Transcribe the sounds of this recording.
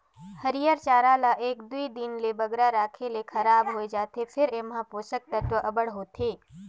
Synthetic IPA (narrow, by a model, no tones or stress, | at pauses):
hɐɾijəɾt͡ʃaːɾaːlaʔeːk̚d̪uid̪ɪnlebɐɡɾaɾaːkʰelekʰɐɾaːbɦoed͡ʒaːt̪efʰɪɾeːmɦãpoːsək̚t̪ɐt̪ʋəʔɐbəɽɦoːt̪ʰeː